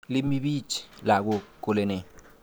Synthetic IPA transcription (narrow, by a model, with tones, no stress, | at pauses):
li˦mi˦bi˦t͡ʃla˨ɡo˧ko˦le˨ne˨